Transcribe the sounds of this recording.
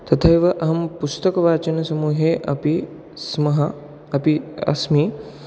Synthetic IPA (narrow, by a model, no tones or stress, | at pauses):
t̪ɐt̪ʰɐjʋɐʔɐɦɐmpust̪ɐkɐʋaːt͡ʃɐnɐsɐmuːɦeːʔɐ̰pi | smɐɦɐ | ɐpiɐ̰smiː